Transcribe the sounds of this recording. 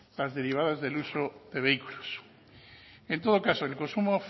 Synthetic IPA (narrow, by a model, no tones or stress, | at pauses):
lazðe̞ɾiβ̞aðazðelusoðeβeikulos | ent̪oð̞okasoelkonsumof